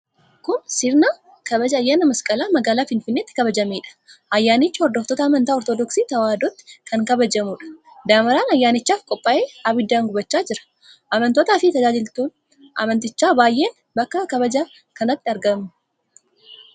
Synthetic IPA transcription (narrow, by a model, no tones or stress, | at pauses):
kʊnsɪɾnaː | kɐbɐd͡ʒɐɐjːaːnɐmɐskʼɐlaːmɐɡaːlaːfɪnfɪnːeːt̪ːɪ̥kɐbɐd͡ʒɐmeːᶑɐ̥ʔɐjːaːnɪt͡ʃːɐɔɾd̪ɔft̪ɔt̪ɐːmɐnt̪aːɔɾt̪ɔd̪ɔksiːt̪ɐwaːd̪ɔt̪ːɪ̥kʰɐŋkɐbɐd͡ʒɐmuːᶑɐ̥ | d̪aːmɐɾaːnɐjːaːnɪt͡ʃːaːfkʼɔpʼːɐʔeːaːbɪd̪ːaːŋɡʊbɐt͡ʃːaːd͡ʒɪɾɐ̥ | ʔɐmɐnt̪ɔt̪aːfɪt̪ɐd͡ʒaːd͡ʒɪlt̪uːn | ʔɐ̰mɐnt̪ɪt͡ʃːaːbaːjʔe̞ːn | bɐkːɐkɐbɐd͡ʒaː | kɐnɐt̪ːɪɐɾɡɐmnʊ